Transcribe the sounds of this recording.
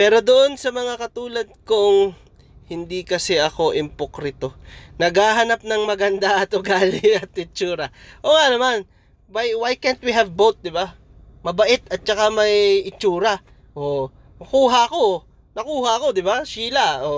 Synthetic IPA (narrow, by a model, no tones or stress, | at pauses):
pɛːɾo̞d̪oʔo̞nsɐmɐŋakɐt̪uːlɐd̪̚kʊŋ | hɪnd̪ikɐsɛʔɐko̞ʔɪmpokɾɪt̪o̞nɐɡaːɦɐnap̚nɐŋmɐɡɐnd̪aʔɐt̪oɡaːlɪɐt̪̚ɪt͡ʃuːɾɐʔoŋanɐman | wajwajkɛnt̪̚wiɦɐvbowt̪̚d̪ɪba | mɐbɐʔɪt̪̚ɐt̪̚t͡ʃɐkamɐjʔɪt͡ʃuːɾɐ | ʔo | ɐkuːɦɐʔɐko̞ | nɐkuːhɐʔɐko̞d̪ɪbaʃiːlɐo